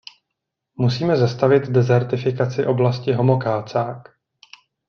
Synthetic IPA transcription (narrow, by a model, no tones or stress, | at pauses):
musiːmɛzast̪avɪt̪dɛzɛɾt̪ɪfɪkat͡sɪʔo̞blascɪɦo̞mo̞kaːt͡saːk